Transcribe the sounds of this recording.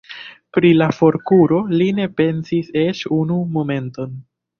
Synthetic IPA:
pɾilafo̞ɾkuɾo̞line̞pe̞nsise̞ʃunumo̞me̞nto̞n

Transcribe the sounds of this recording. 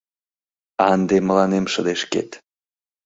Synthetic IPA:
ɑnd̪eməlɑnemʃəd̪eʃkḛt̪

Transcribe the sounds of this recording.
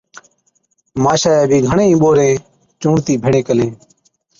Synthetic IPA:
maːʃaːeːbʱĩːɡʱəɳẽːĩːɓoːɾẽː | t͡ʃũːɳt̪iːbʱɪɳẽːkəlẽː

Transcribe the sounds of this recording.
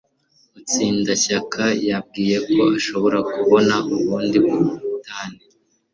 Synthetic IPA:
mut͡siːndaɕakʰajab̚ɡiːje̞ko̞aʃo̞βo̞ɾakuβo̞naʔuβuːndiβuɾuutaːne

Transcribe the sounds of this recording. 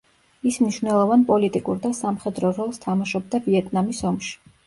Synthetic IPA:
ismniʃvwnɛlˠɔvanpʼɔlit̪ʼikʼuɾd̪asamχɛd̪ɾɔɾɔlˠst̪ʰamaʃɔb̚d̪aviɛt̪ʼnamisɔmʃi̥

